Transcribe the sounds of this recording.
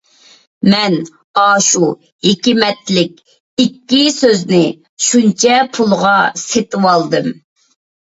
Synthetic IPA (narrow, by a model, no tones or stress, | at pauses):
mɛn | ɑːʃu | ekʲimɛt̪lɪkʲ | ikʲːisøznɪ | ʃunt͡ʃʰɛpʰulˠʁɑset̪ɨwɑlˠd̪ɨm